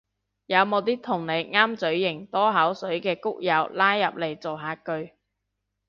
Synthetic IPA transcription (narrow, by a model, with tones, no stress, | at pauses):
jɐ˨˧wmo˨˧wt̪iː˥k̚t̪ʰʊ˨˩ŋne˨˧jŋaː˥mt͡sɵ˨˥ɥjɪ˨˩ŋt̪ɔː˥ɦɐ˨˥wsɵ˨˥ɥkɛː˧kʊ˥k̚jɐ˨˧wlaː˥jːɐ˨p̚le˨˩jt͡so˨wɦaː˨˧kɵ˧ɥ